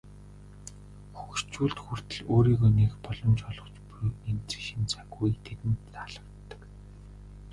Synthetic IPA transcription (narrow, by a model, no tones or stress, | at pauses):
xuxst͡ɕuːɮt̪xur̥t̪ɘ̆ɮoːɾiːɣoːnekpɔɮɞ̆mt͡ɕɔɮɞ̆t͡ɕpɾemt͡se̥ʃɪ̆nt͡sʰaɣujt̪ʰet̪ɘ̆nt̪ːaɮ̥ə̆kt̪ːə̥̆k